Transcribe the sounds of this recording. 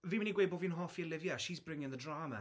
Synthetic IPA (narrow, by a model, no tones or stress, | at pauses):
viːmɛniɡweɪbɔviə̃nɦɔfiəlɪvjaʃizbɹɪ̃ŋɪ̃ŋðədɹaːmə̰